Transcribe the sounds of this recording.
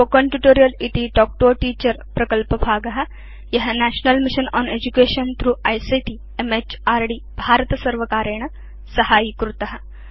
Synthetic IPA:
okɐ̃ɳʈjuʈoːɾijɐlit̪iɖɔːk̚ʈoːʈiːt͡ʃəɾpɾɐkəlpɐbʱaːɡɐɦɐ | jɐɦnæːʃnɐlmiʃənɔːned͡ʒukeːʃɐnt̪ʰɾuːajsiʈi | emet͡ʃaːɾɖi | bʱaːɾət̪ɐsɐɾʋɐkaːɾeːɳɐ | sɐhaːjikɾut̪ɐɦɐ̆

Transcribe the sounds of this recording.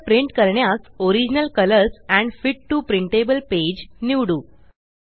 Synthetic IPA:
pɾiɳʈkəɾɳjasoɾid͡ʑinəlkələɾsæ̃ɳɖfiʈːupɾiɳʈebəlped͡ʑniʋɽuː

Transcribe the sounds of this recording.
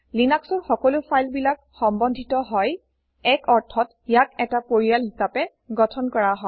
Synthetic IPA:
linaksɔɹxɔkɔlʊpʰajlbilak | xɔmbɔndʱitɔɦɔj | ɛkɔɹtʰɔt | jakɛtapoɹijalhisapɛ | ɡɔtʰɔnkɔɹaɦɔ

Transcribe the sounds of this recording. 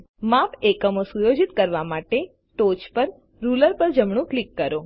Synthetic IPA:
mapekəmosujod͡ʒit̪kəɾʋamaʈe | ʈot͡ʃpəɾ | ɾuləɾpəɾd͡ʒəmɳ̃ũklikːəɾo

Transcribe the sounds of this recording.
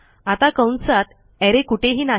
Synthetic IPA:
at̪akə̃wnsat̪ | ɛɾekuʈʰeɦiːna

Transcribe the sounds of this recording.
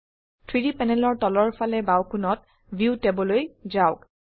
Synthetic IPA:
tʰɹidipɛnɛlɔɹtɔlɔɹpʰalɛbawkʰunɔt | bʱiwtebɔlojzaʊk

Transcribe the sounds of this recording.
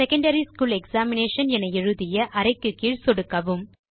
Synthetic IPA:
sɛkɐɳɖɐɾiskuːlɛksaːmɪneːʂɐnɛnɐɛɻɯðɪjɐʔɐɾɐɪkːɯkːiːɻsɔɽɯkːɐʋɯm

